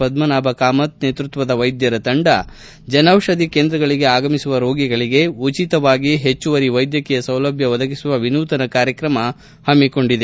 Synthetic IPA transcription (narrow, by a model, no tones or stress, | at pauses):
pɐd̪mɐnaːbɐkaːmɐt̪neːt̪ɾut̪ʋɐd̪ɐʋɐjd̪jɐɾɐt̪ɐɳɖɐ̰ | d͡ʒɐnɐwʂɐd̪ikeːnd̪ɾɐɡɐɭiɡe̞aːɡɐmisuʋɐɾoːɡiɡɐɭiɡe̞ut͡ʃit̪ɐʋaːɡiɦet͡ʃːuʋɐɾiʋɐjd̪jɐkɛjɐsɐwlɐbʱjɐʋɐd̪ʱɐkisuʋɐʋinuːt̪ɐnɐkaːɾjɐkɾɐmɐ | hɐmiko̞ɳɖid̪e